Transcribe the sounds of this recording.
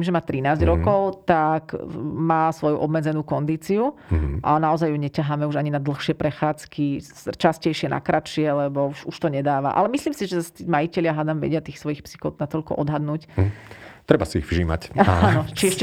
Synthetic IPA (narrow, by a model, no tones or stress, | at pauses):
imʒɛmaːt̪ɾinaːzɟɾɔkɔʊt̪akmaːsʋɔjuʔɔbmɛd͡zɛnuːkɔnd̪iːt͡siuʔa̰naɔzajjuɲɛcaɦamɛuʒaɲinad̪l̩ˠxʃɪɛpɾɛxaːt͡skist͡ʃascɛjʃɪɛnʔa̰kɾat͡ʃɪɛlɛbɔuʃuʃt̪ɔɲɛd̪aːʋa̰ʔa̰lɛmisliːmsiʒɛast̪iːmajicɛlɪaɦad̪amʋɛ̰ɟɪat̪iːxsʋɔjixpsi̥xɔʊd̪nat̪ɔʎkɔ̰ʔɔd̪ɦad̪nuːc | t̪ɾɛbasiḭɣvʒiːma̰caanɔt͡ʃiɛʃ